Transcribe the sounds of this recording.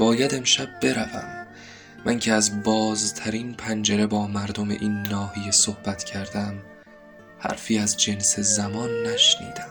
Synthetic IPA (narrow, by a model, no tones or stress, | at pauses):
b̥ɒːjæd̪e̞mʃæb̚ːe̞ɾævæ̰mː | æŋcʰeæzbɒːzt̪ʰæɾiːnpʰænd͡ʒe̞ɾe̞bɒːmæɾd̪o̞mḛʔiːnːɒːhijesohb̥æt̪cʰæɾd̪æm | hæ̰ɾfiːæzd͡ʒe̞nse̞zæmɒːnːæʃnḭːd̪̥æm